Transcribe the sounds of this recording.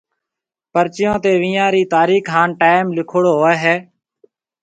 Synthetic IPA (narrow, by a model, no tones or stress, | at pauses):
pəɾt͡ʃɪjõːt̪eːʋĩːjãːɾiːt̪aːɾiːkʰɦaːnʈaːɪmlɪkʰoɽoːɦoːɛːɦɛː